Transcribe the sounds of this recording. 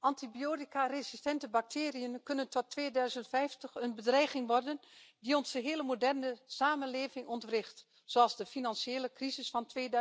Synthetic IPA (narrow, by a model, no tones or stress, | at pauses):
ɑntibijoːdikarezistɛntəbak̚tʰeːrijənkønəntɔtʰːʋeːdœɥzəntfɛjftəxənbədrɛjχɪŋʋɔrdəndiɔnz̥əɦeːləmodɛrnəsaːmənleːvɪŋɔntrɪxt | soɑlˠzdəfinɑnseːləkrizɪsfɑntʋeːd